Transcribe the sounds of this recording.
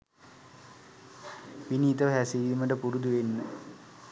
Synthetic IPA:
ʋiniːt̪əʋəɦæsiliːməʈəpuɾud̪uʋenːə

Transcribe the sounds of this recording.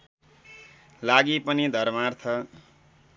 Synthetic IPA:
laɡipʌnid̪ʱʌrmart̪ʰʌ

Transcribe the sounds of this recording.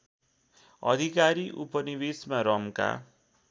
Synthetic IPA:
ʌd̪ʱikaɾiʔupʌnibesmaɾʌmka̰

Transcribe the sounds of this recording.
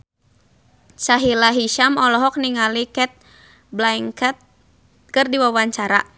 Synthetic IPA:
saɦilaɦiʃamɔlɔɦɔk̚niŋalikɛt̪̚ | blaiŋkɛt̪̚ | kɨrdiwawaɲt͡ʃaɾa̰

